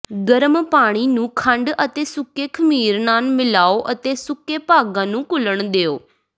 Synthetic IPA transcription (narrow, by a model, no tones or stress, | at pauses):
ɡəɾmpaːɽ̃iːnũːkʰəɳɖət̪eːsʊkeːkʰəmiːɾnaːlmɪlaːoːʔət̪eːsʊkeːpaːɡãːnũːkʊləɳd̪eːoː